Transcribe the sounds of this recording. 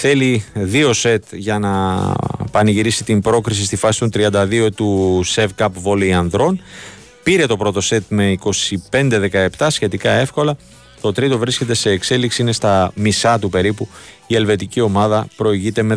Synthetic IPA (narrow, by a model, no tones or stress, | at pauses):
θe̞liðio̞se̞t̪ʝɐnɐ | pɐniʝiɾisit̪imbɾo̞kɾisist̪ifɐsi̥t̪o̞nt̪ɾiɐnd̪ɐðio̞t̪use̞vkɐpvo̞liɐnðɾo̞n | piɾe̞t̪o̞pɾo̞t̪o̞se̞t̪me̞iko̞sipe̞nd̪e̞ðe̞kɐe̞pt̪ɐsçe̞t̪ikɐe̞fko̞lɐ | t̪o̞t̪ɾit̪o̞vɾisce̞t̪e̞se̞ːkse̞liksiine̞st̪ɐmisɐt̪upe̞ɾipuie̞lve̞t̪icio̞mɐðɐpɾo̞iʝit̪e̞me